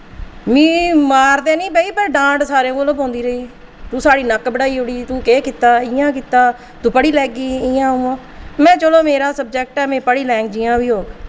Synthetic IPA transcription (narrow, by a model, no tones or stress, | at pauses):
mĩːmaːɾt̪eːnĩːpəiːpəɾɖãːʈsaːɾẽːkoloːbõːnd̪iːɾəiː | t̪ũːsaːɽiːnəkbəɽaːiːɦoːɽiːt̪ũːkeːkɪt̪aːɪjãːkit̪aː | t̪ũːpəɽiːlɛːɡiːɪjãːɦũːãː | mɛ̃ːt͡ʃəloːmeːɾaːsəb̚d͡ʒɛk̚ʈɛːmẽːpəɽiːlɛ̃ːŋkd͡ʒiːãːʋiːɦoːɡ